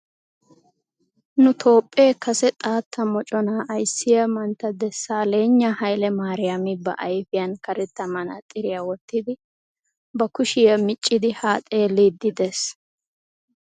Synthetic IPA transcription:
nʊt̪ʰo̞ːpʼːeːkɐsɛt̪ʼaːt̪ʰːɐmɔt͡ʃʼɔnaːʔɐjsːɪjɐmɐnt̪ːɐd̪ɛsːaːle̞ːɲːɐhɐjlɛmaːɾɪjɐmɪbɐ̰ʔɐjfɪjɐnkɐɾɛt̪ːɐmɐnɐ̰t̪ʼɪɾɪjaːwɔt̪ːɪd̪ɪ | bɐkʊʃɪjɐmɪt͡ʃʼːɪd̪ɪhaːt̪ʼeːliːd̪ːɪd̪ɛs

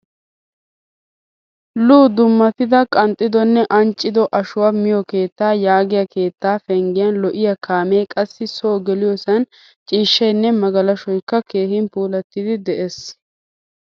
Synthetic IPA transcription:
luːd̪ʊmːɐt̪ɪd̪ɐkʼɐnt̪ʼːɪd̪ɔnːɛʔɐnt͡ʃʼːɪd̪ɔʔɐʃʊwamɪjɔke̞ːt̪ːaːjaːɡɪjɐke̞ːt̪ːaːfɛŋɡɪjɐnlɔʔɪjɐkʰaːme̞ːkʼɐsːɪsoːɡɛlɪjɔsɐn | t͡ʃʼiːʃːɐjnːɛmɐɡɐlɐʃɔjkːɐke̞ːhɪnpuːlɐt̪ːɪd̪ɪd̪ɛʔes

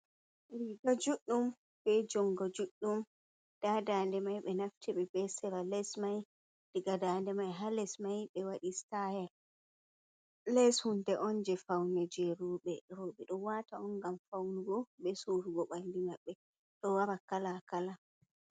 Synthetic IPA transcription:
ɾiɡɔd͡ʒuɗːum | bɛd͡ʒɔŋɡɔd͡ʒuɗːum | d̥adandɛmajɓɛnaftiɓɛbɛsɛɾalɛsmaj | d̥iɡadandɛmajɦalɛsmajɓɛwaɗistajɛl | lɛshundɛʔɔnd͡ʒɛfawnɛd͡ʒɛɾuɓɛɾoɓɛɗɔwataɔnɡamfawnuɡɔɓɛsuɾuɡɔɓandimaɓːɛ | ɗɔwaɾakalakala

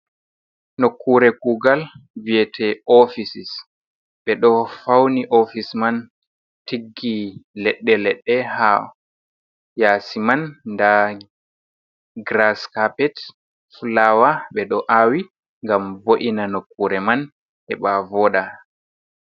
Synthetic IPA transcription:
nokːuɾɛɡuːɡalviɛtʰɛɔfisis | ɓɛɗɔfawniʔofisman | tiɡːilɛɗːɛlɛɗːɛha | jaːsimanːda | ɡɾaskapɛt | fulawaɓɛɗɔʔawi | ŋɡamvoʔinanokːuɾɛman | ɛɓavɔːɗa

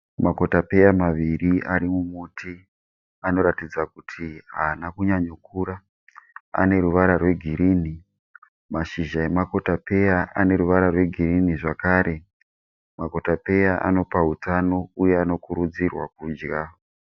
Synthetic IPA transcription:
mako̞tape̞jamaʋiriʔaɾimumutʰi | ano̞ɾatid͡zakutʰiɦaːnakuɲaɲukuɾa | a̰ne̞ɾuʋaɾarwe̞ɡʱiɾiːni | maʃiʒae̞mako̞tape̞jaʔane̞ɾuʋaɾarwe̞ɡʱiriniʐakaːɾʔe̞ | mako̞tape̞jaʔa̰no̞paɦutano̞ujeano̞kuɾud͡zirwa̰kuːd͡ʒɡa

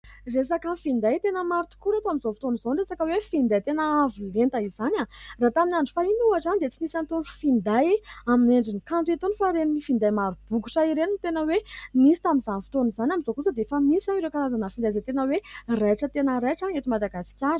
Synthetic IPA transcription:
res̬akəfind̪ajt̪enəmaɾt̪u̥kuɾat̪aminzofit̪onizonresakəwefind̪ajt̪enəavulent̪əizanarat̪aminaɳɖ͡ʐufainuaʈ͡ʂanid̪et͡sinisant̪oɳufind̪ajamineɳɖ͡ʐinikant̪uit̪onufaɾeninifind̪ajmaɾub̥ukuʈ͡ʂaiɾenint̪enəwemisi̥t̪amizafi̥t̪onizanamizokusəd̪efamisaŋiɾewkaɾazanəfind̪ajzet̪enəwerajʈ͡ʂət̪enəɾajʈ͡ʂaŋet̪umad̪aɡasi̥kʲjaɾə̥

